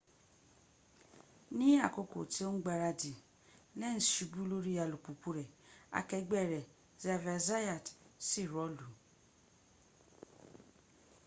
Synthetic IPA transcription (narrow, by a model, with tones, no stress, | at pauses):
nĩ˦a˦˨ko˧ko̰˨ti˦o˦n̩˦ɡ͡ba˧˨ɾa˧di˨ | lɛ˦n̩˨ʃi˧bu˦lo˦ɾi˦a˨lu˨k͡pu˨k͡pu˧ɾɛ˨a̰˧kɛ˧ɡ͡bɛ˦˨ɾɛ˨ | zɛ˧vɛ˧za˦ja˨tsi˦˨ɾɔ˨˦lu˨